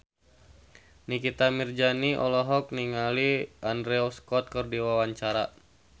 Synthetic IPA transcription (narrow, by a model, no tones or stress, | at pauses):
nikit̪amird͡ʒaniʔɔ̰lɔɦɔk̚niŋaliandɾɛɔskɔt̪̚kɨrdiwawaɲt͡ʃaɾa